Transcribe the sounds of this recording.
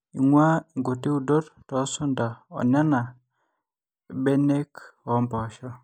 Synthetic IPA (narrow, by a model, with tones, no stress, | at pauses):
ḭ˨ŋwa˦˨ŋɡo˨ti˦u˨do˦ttɔ˨˦sʊ˦nda˨ɔ̰˨nja˦na˨ | be˦ne˦kɔ˨˦mbɔ˨ʃɔ˦